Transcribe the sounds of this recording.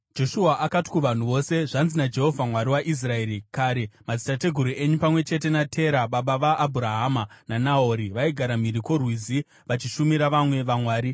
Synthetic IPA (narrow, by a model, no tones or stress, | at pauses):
d͡ʒo̞ʃuaʔakati̥kuʋan̤uʋo̞se̞ʐanzinad͡ʒe̞ɦo̞vʱamwaɾiwaʔis̬rae̞ːɾikaːɾe̞mad͡zitate̞ɡʱuɾue̞ɲupamwe̞t͡ʃe̞t̬e̞natʰe̞ɾaɓaɓaʋaʔːbʱuɾaɦamananao̞ɾiʋaiɡʱaɾamiɾikorwiːzi | ʋat͡ʃiʃumiɾaʋamwe̞ʋamwaːɾi